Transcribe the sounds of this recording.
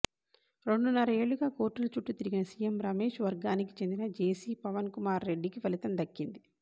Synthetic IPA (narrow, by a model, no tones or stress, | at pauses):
ɾe̞ɳɖunɐɾɐe̞ːɭːuɡaːkoːɾʈːɐlut͡ʃuʈːut̪iɾiɡinɐsijemɾɐme̞ːʂʋɐɾɡaːniki̥t͡ʃe̞nd̪inɐd͡ʒeːsiːpɐʋɐnkumaːɾːeɖːikiʋɐlit̪ɐmd̪ɐkːind̪i